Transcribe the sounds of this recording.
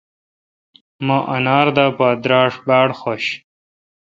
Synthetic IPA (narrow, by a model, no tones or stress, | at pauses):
mãːʔɐnaːɾd̪aːpaːd̪ɾaːʂbaːɽxoɕ